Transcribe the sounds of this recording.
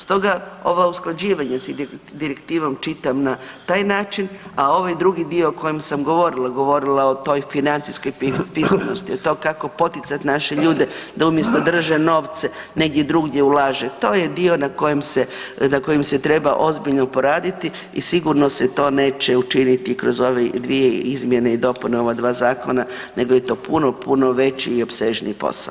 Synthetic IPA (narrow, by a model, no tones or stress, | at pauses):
st̪o̞ɡao̞̰ʋausklˠad͡ʑiːʋaɲasid̪iɾekt̪iːʋomt͡ʃit̪amnat̪aːjnaːt͡ʃinao̞ʋajd̪ɾuɡid̪io̞okojemsamɡo̞ʋo̞ɾilˠaɡo̞ʋo̞ɾilaot̪o̞jfinant̪siskojpipismeno̞st̪iot̪o̞kako̞po̞t̪it̪sat̪naʃeʎuːd̪ed̪aumje̞st̪o̞d̪r̩ʒeno̞ːʋt̪se | ne̞ɡ̚d̪jed̪ɾuːɡje̞ulaːʒet̪o̞ːjed̪io̞nako̞jemsenako̞jimset̪ɾe̞baʔo̞zbiʎnopoɾaːd̪it̪i | isiɡuɾnoset̪o̞ːneːt͡ʃeut͡ʃinit̪ikɾo̞zo̞ʋed̪ʋieizmje̞neid̪o̞puneo̞ʋad̪ʋaːzaːkona | ne̞ɡoje̞t̪o̞ːpʰunopunoʋe̞t͡ɕḭːo̞pseʒnḭːpo̰sa̰o